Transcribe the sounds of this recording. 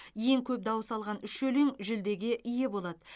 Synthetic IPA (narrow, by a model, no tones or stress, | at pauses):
je̞ŋkʲʰɵp̚d̪ɑwəsɑlˠʁɑnʏʃɵleŋʒʏld̪e̞ɡʲeʔije̞bo̞lˠɑd̪ə